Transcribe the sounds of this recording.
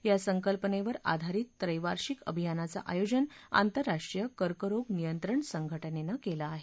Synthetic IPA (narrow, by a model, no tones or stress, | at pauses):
jasəŋkəlpəneʋəɾa̰d̪ʱaɾiːt̪ːɾəjʋaɾɕikə̰bʱijanat͡sa̰ʔajod͡ʑəna̰nt̪əɾːaʂʈɾijəkəɾkəɾoɡnijənt̪ɾəɳsəŋɡʱəʈənenakelaːɦe